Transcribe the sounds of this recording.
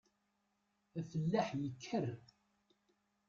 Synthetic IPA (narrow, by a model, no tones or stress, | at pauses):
æfəlːaħjəkʰːər